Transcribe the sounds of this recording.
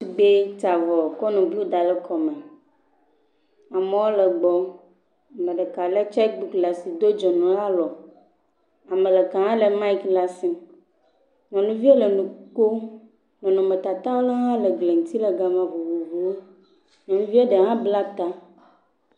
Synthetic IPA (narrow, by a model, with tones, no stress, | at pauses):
si˨ɡ͡be˦t̪a˨vɔ˨kɔ˦nũ˨blu˦d̪a˨lɛ˦kʰɔ˨mɛ˨ | a˨mẽ˨wo˦le˨ɡ͡bɔ˨ | mẽ˨ɖe˨ka˨le˦t͡ʃɛ˦k̚bu˦kla˨si˨d̪o˦d͡ʒɔ˨nũ˨la˦lɔ˨ | a˨mẽ˨le˨kã˨ɦã˦le˨mã˦i˦kla˦si˨ | nɔ̃˨nũ˦vi˦e˦le˨nũ˨k͡po˦ | nɔ̃˨nɔ̃˨me˨t̪a˨t̪ã˦wo˦la˦ɦã˦le˨ɡle˨ŋũ˨t̪i˦le˨ɡa˨mã˨vo˨vu˨vu˨wo˦ | nɔ̃˨nũ˦vi˦e˦ɖe˨ɦã˦bla˦t̪a˦